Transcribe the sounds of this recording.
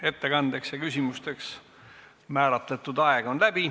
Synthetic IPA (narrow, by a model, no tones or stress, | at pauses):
e̞t̪ːe̞kɑnd̪̥e̞ksjɑkysʲimust̪e̞ks | mæːɾɑt̪ˑlet̪ːˑud̪ɑeɡ̥o̞nlæb̥i